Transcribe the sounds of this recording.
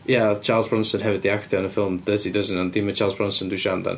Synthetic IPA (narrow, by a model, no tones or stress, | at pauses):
jat͡ʃʰaːlˠzbɹɔ̃nsə̃nɦɛvɪd̪̚ðiakθəə̃nəfɪlˠmdəzidʌzə̃n̩ãndimət͡ʃʰaːlˠzbɹɔ̃nsə̃nduʃandã̰n